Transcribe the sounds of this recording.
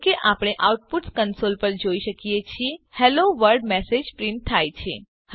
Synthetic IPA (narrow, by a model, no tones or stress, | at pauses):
keʔapɽ̃eʔauʈ̚puʈskənsolpəɾd͡ʒoiʃəkijet͡ʃʰiehɛloʋəɾɖmɛsed͡ʒpɾɪ̃ɳʈ̚t̪ʰajt͡ʃʰḛ | h